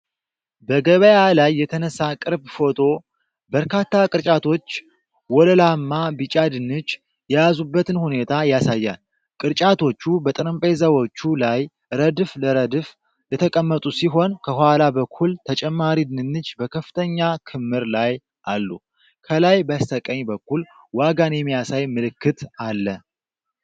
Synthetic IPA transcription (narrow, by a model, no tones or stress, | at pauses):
bəɡəβəjalajːɛt̪ʰənəsːakʼɨɾbfo̞t̪ʰo̞ | bəɾkʰat̪ːakʼɨɾt͡ʃʼat̪ʰo̞t͡ʃː | wɔləlamːabɨt͡ʃʼad̪ɨnːɨt͡ʃː | jɛjazubːət̪ʰɨnhune̞t̪ʰajasajːa̰n | kʼɨɾt͡ʃʼat̪ʰo̞t͡ʃːubət̪ʼɨɾɨmpʼezəwot͡ʃːulaj | ɨɾəd̪ɨfləɾəd̪ɨf | lət̪ʰəkʼəmːət̪ʼusiɦo̞nkʰəhalabəkʰːult̪ʰət͡ʃʼɛmːaɾid̪ɨnɨnːɨt͡ʃːbəkʰəfɨ̥t̪ʰəɲːakʰɨmːɨɾlaj | ʔalːu | kʰəlajbast̪ʰəkʼəɲbəkːul | waɡanjɛmːijasajmɨlɨkːɨt̪alːə